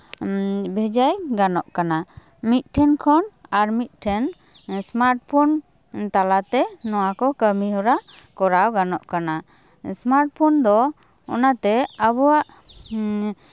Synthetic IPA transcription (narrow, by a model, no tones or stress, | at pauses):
bʱɛd͡ʒajɡanɔʔkana | mit̪̚ˀʈʰɛnkʰɔnaɾmit̪̚ˀʈʰɛn | smaɾʈ̚pʰɔn | t̪alat̪ɛnɔwakɔkəmiɦɔɾa | kɔɾawɡanɔʔkana | smaɾʈ̚pʰɔnd̪ɔ | ɔ̰nat̪ɛəbɔwaʔ